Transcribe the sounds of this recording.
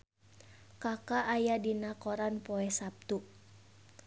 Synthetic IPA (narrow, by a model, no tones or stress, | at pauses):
kakaʔːjadinakɔɾanpɔɛhsap̚t̪u